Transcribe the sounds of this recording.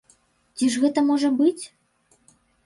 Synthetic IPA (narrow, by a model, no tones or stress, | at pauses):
tʲiʐɣɛt̪əmɔʐəbɨt͡sʲ